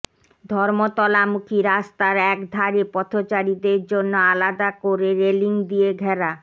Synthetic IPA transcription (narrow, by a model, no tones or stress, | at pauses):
d̪ʱɔɾmot̪ɔlamukʰiɾast̪aɾɛkd̪ʱaɾipɔt̪ʰot͡ɕaɾid̪eɾd͡ʑonːoalad̪akoɾeɾeliŋd̪ieɡʱɛɾa